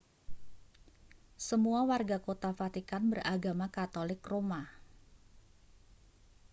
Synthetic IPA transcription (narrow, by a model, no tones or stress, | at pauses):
səmuawarɡakot̪afat̪ikanbərʔaɡamakat̪olɪkroma